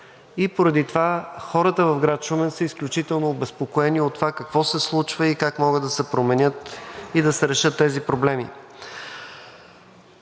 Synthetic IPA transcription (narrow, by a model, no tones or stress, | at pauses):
ipoɾɐd̪it̪ovaxɔɾət̪əvɐvɡɾat̪ʃumɛnsəisklʲut͡ʃit̪ɛlˠnoːbɛspokoɛniot̪ːovakɐkvɔsɛslˠut͡ʃvəikakmɔɡəd̪ɐsɛpɾomɛnʲɤt̪id̪ɐsɛɾɛʃɤt̪ːɛzipɾoblɛmi